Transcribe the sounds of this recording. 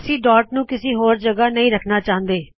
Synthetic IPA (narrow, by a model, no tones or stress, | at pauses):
əsĩːɖɔːɾʈnũːkɪsiːɦoːɾd͡ʒəɡaːnəĩːɾəkʰnaːt͡ʃaːnd̪eː